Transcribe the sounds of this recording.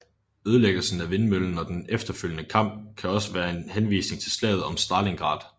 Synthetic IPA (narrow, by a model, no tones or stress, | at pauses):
øð̞ˠəleɡ̥l̩sn̩æʋe̝nmøln̩ɒ̽d̥enefd̥ɐføljənəkʰɑ̈m̰b̥̚kʰæɒ̽səʋæːɐe̝nhenʋḭːsne̝ŋt͡sʰe̝lslɛ̰ːð̞̩ˠɒ̽msd̥ɑ̈leŋɡ̥ʁɑ̰̈ːd̥ˠ